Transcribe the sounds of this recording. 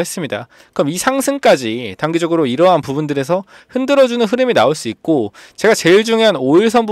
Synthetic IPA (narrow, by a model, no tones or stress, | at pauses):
e̞s͈ɯmɲida̰ | kɯɾʌmisʰaŋsʰɯŋk͈ad͡ʑitaŋɡid͡ʑʌɡɯɾoiɾʌɦanpubundɯɾe̞s̬ʰʌ | ɸɯndɯɾʌd͡ʑunɯnɸɯɾɯminaoɭs͈uik̚k͈ot͡ɕe̞ɡat͡ɕe̞iɭd͡ʑuŋeanoiɭs̬ʰʌnb